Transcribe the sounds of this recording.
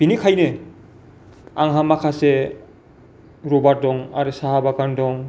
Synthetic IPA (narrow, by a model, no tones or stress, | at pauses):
b̥inikʰajnɯ | aŋɦamakʰase | ɾɔbaɾ̚dɔŋaɾɯsaɦabakandɔŋ